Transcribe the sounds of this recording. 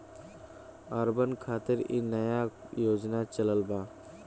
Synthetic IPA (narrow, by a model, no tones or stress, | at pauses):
əɾbənkʰaːt̪ɪɾḭnəjajoːd͡ʒnat͡ʃələlbaː